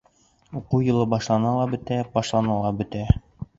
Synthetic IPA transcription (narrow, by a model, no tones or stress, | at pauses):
uqujɤ̆lˠɤbɒʃlˠɑnɑlˠɑbɵ̆t̪æbɒʃlˠɑnɑlˠɑbɵ̆t̪æ